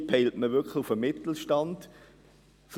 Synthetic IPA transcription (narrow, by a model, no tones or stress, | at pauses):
pʰɛɪltməvʏkχlɪufəmɪt̪l̩ʃtɑnd̥ | f